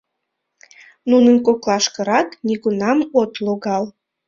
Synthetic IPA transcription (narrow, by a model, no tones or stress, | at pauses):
nunənkoklɑʃkəɾɑt̪niɣunɑmot̪loɣɑl